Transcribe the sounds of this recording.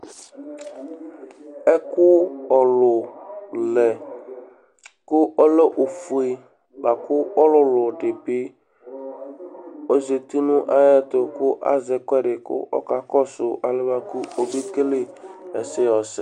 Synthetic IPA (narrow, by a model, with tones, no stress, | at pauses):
ɛ˦kʊ˦ɔ˨lʊ˨lɛ˨ | kʊ˦ʔɔ˦le˦ʔo˨fu˨e˨ | ba˨kʊ˦ɔ˦lʊ˨lʊ˨dɪ˨bɪ˦ | o˨ze˨t̪i˦nʊ̃˦ʔa˦jɛ˦tʊ˨kʊ˦ʔa̰˦zɪ˨kʷɛ˦ɖɪ˨kʊ̰˦ʔɔ̰˦ka˨kɔ˦sʊ˨ʔa˨lɪ˦ba˦ku˦o˨be˦ke˦le˦ɛ̰˨sɪ˦ɔ˨sɪ̰˨